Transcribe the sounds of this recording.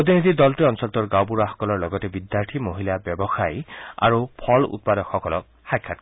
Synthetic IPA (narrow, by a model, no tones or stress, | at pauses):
ot̪ʰinid̪ʱid̪ɔltiɔnusɔlt̪ɔɹɡawp̬uɹaxɔ̥kɔlɔɹlɔɡɔtɛbid̪jaɹt̪ʰimoɦilabjɔbɔxaja̰ɹupʰɔlṵt̪̚padɔkxɔkɔlɔk̚ | xajkʰːat̚